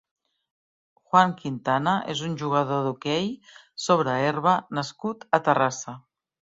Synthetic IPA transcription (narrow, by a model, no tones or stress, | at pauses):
xwaŋkint̪anaʔezunʲʒuɣ̞əðoðukej | soβ̞ɾəerβ̞ənəskut̪ət̪ərasə